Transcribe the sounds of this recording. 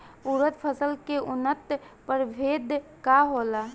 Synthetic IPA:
uɾət̪pʰəsəlkeʔʊnət̪pəɾbʱeːd̪kaɦoːla

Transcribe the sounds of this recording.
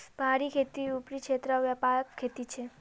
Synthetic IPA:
bʱaɾikʰet̪iupɾikʃet̪ɾəʋjəpakkʰːet̪it͡ʃʰe

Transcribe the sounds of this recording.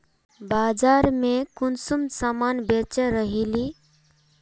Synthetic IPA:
bad͡ʒaɾmekunsumsamanbet͡ʃaɾəɦili

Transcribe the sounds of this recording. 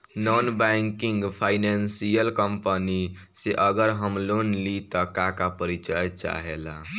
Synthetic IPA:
nɔnbɛŋkiŋɡpʰainansijəlkəmpəni | seʔəɡəɾɦəmlonlit̪ɔkakapəɾit͡ʃajt͡ʃa̰ɦela̰

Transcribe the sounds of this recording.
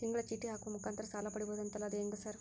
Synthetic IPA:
t̪iŋɡɐɭɐt͡ʃiʈːiɦaːkumukaːnt̪ɐɾɐsaːlɐpɐɽiboːd̪ɐnt̪ɐlaːd̪eːŋɡasaːɾ

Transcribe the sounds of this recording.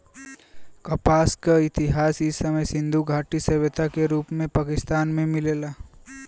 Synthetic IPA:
kɐpaːskaɪt̪ɪɦaːsɪsɐməjsɪ̃nd̪ʱuɡʱaːʈisɐbət̪akeɾuːpmẽpaːkɪst̪aːnmẽmɪleːlaː

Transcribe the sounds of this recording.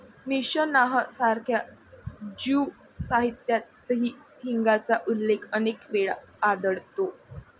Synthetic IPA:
miɕənaɦəsaɾkʰja | d͡ʑu | saɦit̪jat̪ːɦiː | ɦiŋɡat͡saʔulːekʰənekʋeɭa̰ːd̪əɽt̪o

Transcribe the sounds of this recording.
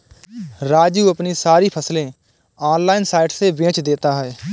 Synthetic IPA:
ɾaːd͡ʒjuːəpniːsaːɾiːpʰəslẽː | aːnlaːinsaːɪʈseːʋẽːt͡ʃd̪eːt̪aːɦɛː

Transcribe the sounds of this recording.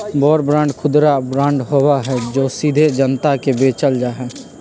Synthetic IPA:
bɔːɾbɾãːɳɖkʰʊd̪ɾabɾãːɳɖɦowaɦɛd͡ʒoːsid̪ʱed͡ʒənt̪akebeːt͡ʃəld͡ʒaːɦɛː

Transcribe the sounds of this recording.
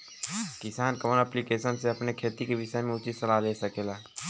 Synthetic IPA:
kɪsaːnkɐənɛːplikeːsənseɐpnekʰeːt̪ikeʋɪʃəjmẽʊt͡ʃisɐlaːleːsɐkeːlaː

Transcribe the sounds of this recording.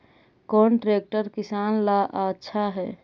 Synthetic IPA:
kɔnʈɾeːk̚ʈəɾkisanlaʔatːʃʰaɦɛ

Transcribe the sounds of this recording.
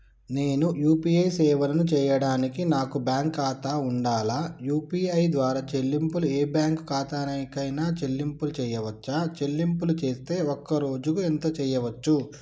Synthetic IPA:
ne̞ːnujuːpiːɐjsɛːʋɐlɐnut͡ʃɛːjɐɽaːnikinaːkubjaːŋkaːt̪aːuɳɖaːlaːjuːpiːɐjd̪ʋaːɾaːt͡ʃelːimpulueːbjaːŋkkaːt̪aːnɐikɐjnaːt͡ʃe̞lːimpulut͡ʃɛːjɐʋɐt͡ʃːaːt͡ʃelːimpulut͡ʃeːst̪e̞ːokːɐɾo̞ːd͡ʒukuent̪ɐt͡ʃɛːjɐʋɐt͡ʃːu

